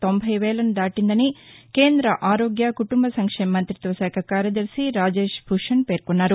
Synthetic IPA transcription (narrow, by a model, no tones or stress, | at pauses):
t̪o̞mbʱɐjʋeːlɐnud̪aːʈind̪ɐnike̞ːnd̪ɾɐʔaːɾoːɡjɐkuʈumbɐsɐŋkʂeːmːɐnt̪ɾit̪ʋɐsɛːkʰɐkaːɾjɐd̪ɐɾsiɾaːd͡ʒe̞ːʃbʱuʂɐnpeːɾkonːaːɾu